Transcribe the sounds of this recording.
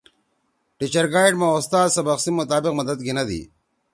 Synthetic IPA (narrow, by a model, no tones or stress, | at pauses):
ʈit͡ɕɐɾɡaːjʈmaost̪aːzsɐbɐqsimːʊt̪aːbɪqmɐd̪ɐd̪̚ɡinɐd̪ḭ